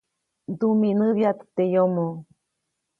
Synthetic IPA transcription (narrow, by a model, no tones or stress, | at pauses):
d̪uminɨβjat̪ɨ̥t̪ejomo